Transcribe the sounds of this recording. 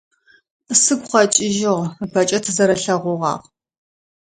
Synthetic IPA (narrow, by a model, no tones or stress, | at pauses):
sɨɡʷʼχɐt͡ʃʼɪʒɪʁpʰɐt͡ʃʼɐtʰɨzɐɾɐɬɐʁʷʊʁɑ̰ːʁ